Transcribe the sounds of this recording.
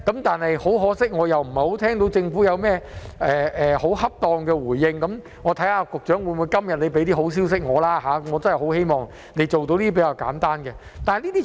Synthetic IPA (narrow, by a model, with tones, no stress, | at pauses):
kɐ˨˦˥mt̪aː˨nhɐ˨jho˨˥wɦɔː˨˥sɪ˥k̚ŋɔː˨˧jɐ˨˩wm̩˨˩ho˨˥wt̪ʰɛː˥ŋt̪o˨˥wt͡sɪ˧ŋfu˨˥jɐ˨˧wmɛː˥ʔɛː˨˩ɛ˨ho˨˥whɐ˥p̚t̪ɔː˧ŋkɛ˧wuː˨˩jːɪ˧ŋkɐ˨˥m | ŋɔː˨˧t̪ʰɐ˨˥jaː˧kʊ˨k̚t͡ʃœː˨˥ŋwu˨˧nmu˨˧jkɐ˥mjɐ˨t̚le˨˧jpe˨˥jt̪̬iː˥˩ɦo˨˥ws̬iː˥ws̬ɪ˥k̚ŋɔː˨˧laː˥ɦaː˨˥˦ŋɔː˨˧t͡sɐ˥nhɐ˨jho˨˥whe˥jmɔː˨˩ŋ | ne˨˧jt͡ʃo˨wt̪o˧wliː˥pe˨˦jkaː˧wka̰ː˨˥nt̪aː˥nɡɛ˧t̪aː˨n˨jliː˥iː˥